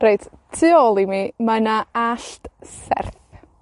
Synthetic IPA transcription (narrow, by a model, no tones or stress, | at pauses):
rejd | tʰɨɔlˠimimanaaɬtsɛ̰rθ